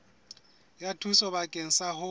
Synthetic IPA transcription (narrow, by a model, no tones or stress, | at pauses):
jatʰusɔbakʼen̩sahʊ